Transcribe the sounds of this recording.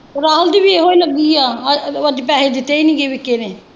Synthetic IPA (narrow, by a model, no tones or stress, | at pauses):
oɾaːɦəld̪iːbieːɦoːiləɡːiːaːəd̪iːpɛːɦed̪ɪt̪ːeiːnĩːɡeːʋɪkːeneː